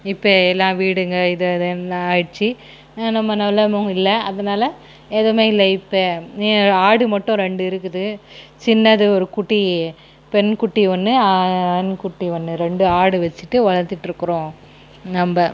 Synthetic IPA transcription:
ɪpːɐɛlːãːʋiːɽɯŋɡɐɪðɯðɯnɐɾt͡ʃːi | nɐmːɐnɐlːɐmõɪlːɐɐðɐnaːlɐ | ɛðɐmeːɪlːɐɪpːɐ | aːɽɯmɐʈːʊ̃ɾɛɳɖɯɪɾɯkːɯðɯt͡ʃɪnːɐðɯɔɾɯkʊʈːi | pɛnkʊʈːiʋɐnːɯankʊʈːiʋɐnːɯɾɛɳɖɯaːɽɯʋɛt͡ʃːɯʈːɯʋɐɭɐɾt̪ɪʈːɪɾɯkːɯɾõː | nɐmbɐ

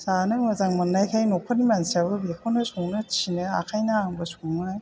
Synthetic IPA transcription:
sanɯmazaŋmanːajkʰajnɔkʰɔnimansiabɯbekʰonɯsɔŋnɯt͡ʃinɯa̰kʰajnaaŋbɯsuŋnɯaj

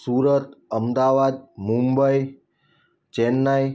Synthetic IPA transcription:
suɾət̪əmd̪aʋad̪̚mũmbəj | t͡ʃenːaj

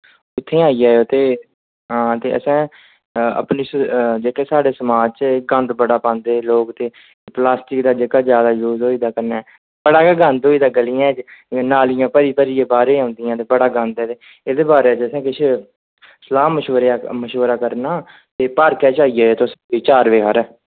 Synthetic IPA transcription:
ʊt̪ʰːẽːaːijaːjoːt̪eː | ɦãːt̪eːəsɛ̃ː | ə̰pniːsd͡ʒeːkeːsaːɖeːsəmaːd͡ʒt͡ʃɡə̃nd̪bəɽaːpãːnd̪eːloːkt̪eː | plaːsʈɪkd̪aːd͡ʒekaːzjaːd̪aːjoːzoːiːd̪aːkəɾnɛː | b̥əɽaːkːɡənd̪ɦoːiːd̪aːɡəliːãːd͡ʒnaːlɪjãːpəɾiːpəɾiːãːbaːɾeːãːnd̪ijãːt̪eːbəɽaːɡə̃nd̪ɛːt̪eː | ed̪eːbaːɾeːt͡ʃəsɛ̃ːkɪt͡ʃʰ | səlaːməʃoːɾməʃoːɾaːkəɾnaː | t̪eːpəɾkɛːt͡ʃaːiːaːjoːt̪osiːt͡ʃaːɾʋeːɦaɾɛː

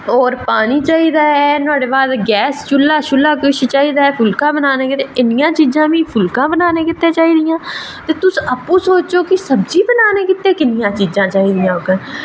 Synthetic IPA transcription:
ɔːɾpaːniːt͡ʃaːiːd̪aːɦɛnʊaːɽeːbaːd̪ɡɛːst͡ʃʊlːaːʃʊlːaːk̬ɪʃt͡ʃaːiːd̪aːɦɛːpʰʊlkãːbənaːneːkɪt̪eʔɪnɪjãːt͡ʃiːzãːʋĩːpʰʊlkãːbənaːneːkɪt̪ːẽːt͡ʃaːiːd̪ɪjãː | t̪eːt̪ʊsəpːũːsoːt͡ʃoːkɪsəbd͡ʒiːbənaːneːkɪt̪ːeːkɪnɪjãːt͡ʃiːzãːt͡ʃaːiːd̪ɪjãːokɛ

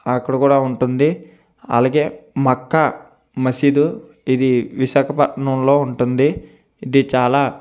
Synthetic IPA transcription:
ɐkːɐɽɐkuːɽaːuɳʈund̪i | ɐ̰laːɡe̞ːmɐkːa | mɐsiːd̪u | id̪iʋiʃaːkʰɐpɐʈɳɐmlo̞ːuɳʈund̪i | id̪it͡ʃaːlaː

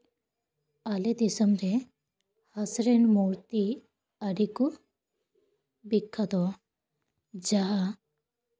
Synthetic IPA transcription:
aled̪isəmɾe | hasɾenmɔɾt̪i | aɖiku | bikʰːad̪ɔ | d͡ʒaɦa

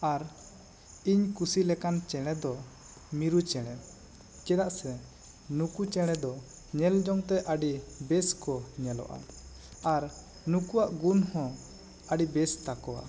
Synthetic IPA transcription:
aɾ | iɲkusilɛkant͡ʃɛɽ̃ɛd̪ɔ | miɾut͡ʃɛɽ̃ɛ | kɛd̪aʔsɛ | nukut͡ʃɛɽ̃ɛd̪ɔ | ɲɛld͡ʒɔŋt̪ɛʔaɖibɛskɔɲɛlɔ̰ʔa̰ | aɾ | nukuwaʔɡunhɔ̃ | aɖibɛst̪akɔwa̰

